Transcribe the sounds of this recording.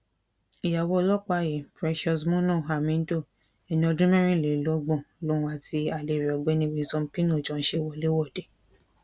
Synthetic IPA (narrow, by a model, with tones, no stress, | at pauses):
i˨ja˨wɔ˧˦lɔ˦k͡pa˦˨je˨pɾɛ˦˧ʃɔ˧smɔ̃˦nɔ̃˦˨a˨mĩ˦n̩˦do˦˨ | ɛ˨nĩ˧ɔ˧dũ˦mɛ̃˦ɾ̃ĩ˦˨le˨˦lɔ˨˦ɡ͡bɔ̃˦˨lo˨˦w̃a˧ti˧a˨le˨ɾi˨ɔ˨ɡ͡bɛ˦nĩ˧˦wi˨˧˦zɔ̃˧˦pĩ˦nũ˦˨d͡ʒɔ̃˧n̩˦ʃe˦˨wɔ˧˦le˦wɔ˦˨de˨˦